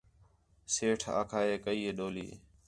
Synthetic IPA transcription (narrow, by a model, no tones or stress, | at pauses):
seːʈʰa̰ːkʰaːeːkəiːeːɗoːlḭː